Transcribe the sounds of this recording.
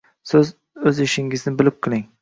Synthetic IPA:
sɪz | ɵzɪʃɪŋɪznɪbɪlɪp̚qʰɨlɪŋ

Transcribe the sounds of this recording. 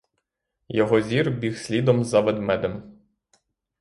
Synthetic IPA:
jɔɦɔzʲirbʲixsʲlʲid̪ɔmzɐʋɛd̪mɛd̪em

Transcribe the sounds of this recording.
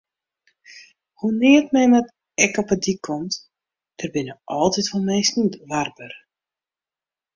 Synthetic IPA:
hunɪətmɛjmɛt | ɛkɔpədikʰɔmt | d̥ərbɪnəʔɔlˠtitʋɔlˠmejsnitʋarbər

